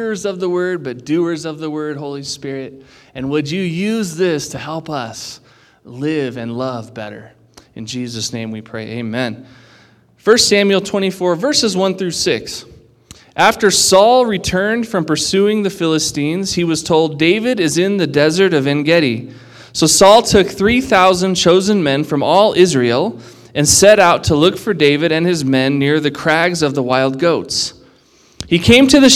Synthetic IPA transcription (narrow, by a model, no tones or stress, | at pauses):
ə˞zʌvðəwɜ˞d̚bʌt̚d̥ʉə˞zʌvðəwɜ˞d̚ɦoʊlˠispɪɹɪɾɨ̃nwɨd͡ʒɨjʉzðɪstʰɨhɛlˠpʌs | lɪvɨ̃nlʌvbɛ̰ɾə̰˞ | ɨ̰̃nd͡ʒizɨsnẽɪ̃mwipʰɹ̥eɪʔḛɪmɛ̃n | fɜ˞stsæ̃mjʉl̩ˠtʰw̥ɛ̃ɾ̃ifɔɹvɜ˞sɨzwʌ̃nθɹʉsɪks | ʔæftə˞sɔlˠɹitʰɜ̃˞nd̥fɹʌ̃mpə˞sʉɪ̃ŋðɨfɪlˠəstĩnz̥hiwʌz̥tʰoʊlˠdeɪvɨɾɨzɪ̃nðɨdɛzə˞ɾʌvɨ̃nɡɛɾi | soʊsɔlˠtʰʊkθɹiθaʊzɨ̃nt͡ʃʰoʊzɨ̃nmɛ̃nfɹʌ̃mɔlˠɪzɹil̩ˠ | ɨ̃nsɛɾaʊtʰəlʊkfə˞deɪvɨɾɨ̃nɨzmɛ̃nːɪɹðɨkʰɹ̥æɡzʌvðəwaɪlˠd̚ɡoʊts | hikʰẽɪ̃mtʰɨðɨ